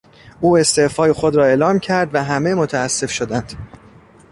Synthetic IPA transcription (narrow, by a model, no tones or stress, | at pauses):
ʔuːe̞st̪e̞ːfɒːjexo̞d̪ɾɒːe̞ːlɒːmcʰæɾd̪væɦæme̞mot̪ʰæːsːe̞fʃod̪ænd̪̥